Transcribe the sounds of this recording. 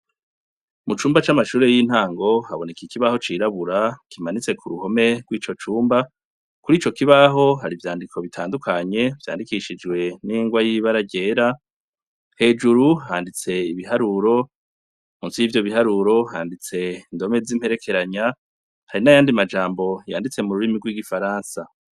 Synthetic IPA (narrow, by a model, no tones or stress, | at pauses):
mut͡ʃuːmbat͡ʃamaʃuːɾe̞jin̥haːŋɡo̞haβo̞ne̞kikiβaho̞t͡ʃiːɾaβuɾakimanit͡se̞kʰuɾuho̞me̞ɡ̥wiːt͡ʃo̞t͡ʃuːmba | kuɾiːt͡ʃo̞kiβaɦo̞ɦaɾivjaːndikʰo̞βitʰaːndukʰaɲe̞v̥ja̰ːndikiʃid͡ʒɡwe̞niːŋɡwajiβaɾaɟe̞ːɾa | he̞ːd͡ʒuɾuhaːndit͡se̞iβiɦaɾuɾo̞ | muːnsijiːvjo̞βiɦaɾuɾo̞ɦaːndit͡se̞indo̞me̞zim̥he̞ɾe̞kʰe̞ɾaɲa | haɾinajaːndimad͡ʒaːmbo̞jaːndit͡se̞muɾuɾimiɡwiɡifaɾaːnsa